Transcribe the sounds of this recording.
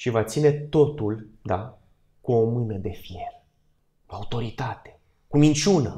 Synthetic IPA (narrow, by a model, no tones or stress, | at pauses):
ʃivat̪sine̞t̪o̞t̪uld̪a | kuomɨnəd̪e̞fje̞r | kuaut̪o̞ɾit̪at̪e̥ | kumint͡ʃunə